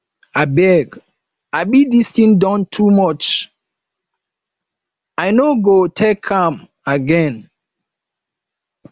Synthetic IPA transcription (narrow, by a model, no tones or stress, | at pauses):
abɛɡ | aɪbidistĩŋdɔ̃ntʰumɔt͡ʃ | aɪnoɡotʰɛkʰãm | aɡɛ̃n